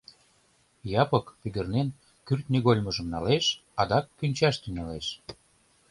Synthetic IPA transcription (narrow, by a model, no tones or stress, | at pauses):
jɑpɤkpyɡ̪ə̆rnen | kyrt̪niɣolʲmɤʒəmnɑleʃɑd̪ɑkːynʲt͡ɕɑʃt̪yŋɑleʃ